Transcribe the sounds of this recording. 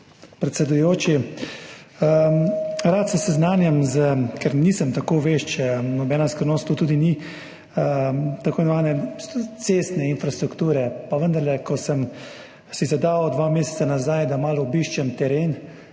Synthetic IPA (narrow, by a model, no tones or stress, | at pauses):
pɾɛt̪sɛd̪ujoːt͡ʃi | ɾaːt̪sɛsɛznaːnjɛmzəkɛɾnisəmt̪akoːʋeʃt͡ʃnɔbɛːnaskɾəɾnoːst̪ːuːt̪uːd̪ini | ət̪akoːnɔmaːnɛt̪seːst̪nɛinfɾast̪ɾukt̪uːɾɛpaʋənd̪ɐɾlɛkɔsəm | sizɛd̪aːd̪ʋameːsɛ̥t̪sanazajd̪amaːlɔɔbiʃt͡ʃɛmt̪ɛɾeːn